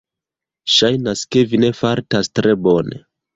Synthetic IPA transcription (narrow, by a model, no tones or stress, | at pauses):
ʃajnaske̞vine̞faɾtastɾe̞bo̞nḛ